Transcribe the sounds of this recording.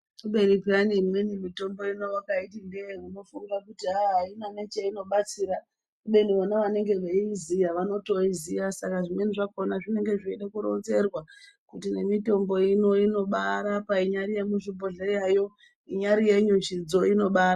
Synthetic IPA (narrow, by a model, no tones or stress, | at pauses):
uɓenipiranimwenimito̞mbo̞ino̞wakaitindeuno̞funirakutiɦaɦainanet͡ʃeino̞ɓat͡siɾa | kuɓe̞niʋanaʋane̞ŋɡe̞ʋeizijaʋano̞to̞izijasakaʐimwe̞niʐakonaʐine̞ŋɡe̞ʐeiɗakuɾo̞̰nze̞rwa | kutine̞mito̞mbo̞ino̞ino̞ɓaɾapaiɲaɾijemuʐiboɮajajo̞ | iɲaɾije̞ɲut͡ʃid͡zo̞ino̞ɓaːra